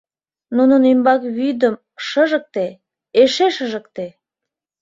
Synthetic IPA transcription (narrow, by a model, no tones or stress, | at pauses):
nunənymbɑkβyd̪əm | ʃəʒək̚t̪e | eʃeʃəʒə̆kt̪e